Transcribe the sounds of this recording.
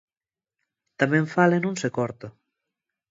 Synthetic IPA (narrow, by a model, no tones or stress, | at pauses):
t̪amẽɱfalenũnsekɔɾt̪o